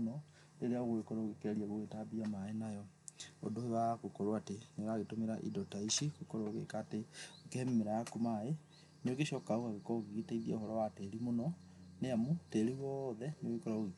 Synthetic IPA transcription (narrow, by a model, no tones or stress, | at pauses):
nɔ | leɾeaoɣoekɔɾoɣekeɾiaɣoɣetabiamaenajɔ | o̰doewaɣokɔɾoateneɣaɣetomeɾa̰ʔḭdɔtaiʃeɣokɔɾoɣḛkaːteokɛmmeɾaakomae | neoɣeʃɔkaoɣaɣekɔɣeɣitaiðiaohɔɾɔwateɾimonɔ | neamuteɾiɣɔðɛneoekɔɾaoɣe